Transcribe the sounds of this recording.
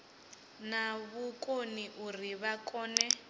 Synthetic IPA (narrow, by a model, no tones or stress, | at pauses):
naβukoniʔuriβakʼɔːnɛ